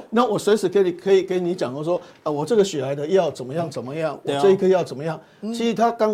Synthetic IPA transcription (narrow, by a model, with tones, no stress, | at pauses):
na˥˨wɔ˨˩swe˧˥ɪsɻ̩˨˩ke˧˥i˨˩kʰɤ˧˦˥i˨˩ke˧˥ni˧˦˥t͡ɕjɑ˨˩ŋə˥˧ʂ̬wɔ˥ə˩wɔ˨˩ʈ͡ʂɤ˥˩ɡə˨ɕy˨˩la˨˧˥ɪd̪ə˧jɑ˥˩ʊt͡sə˨˩nmə˦jɑ˥˩ŋt͡sə˨˩nmə˦jɑ˥˩ŋwɔ˩ʈ͡ʂɤ˥˧i˥˩kʰə˧˥i˨˩jɑ˥˩ʊt͡sə˨˩nmə˦jɑ˥˩ŋ | t͡ɕʰi˧˥ʂ̩˧t̪ʰa˥ka˥n